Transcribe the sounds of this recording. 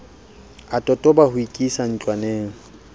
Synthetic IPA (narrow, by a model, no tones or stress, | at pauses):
atʼɔtʼɔbahʊikʼisan̩t͡ɬʼwaneːŋ̩